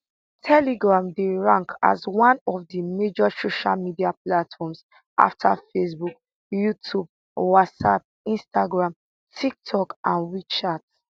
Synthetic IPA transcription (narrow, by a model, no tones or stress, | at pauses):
tʰɛliɡɹãmdeɹãŋkʰa̰zwãnɔfdəmed͡ʒɔsoʃalmidiaplatfɔms | ʔa̰ftʰa̰fesbuk | jutʰub̚ | watsap̚ | ĩnstaɡɹãm | tʰik̚tʰɔkãnɹit͡ʃat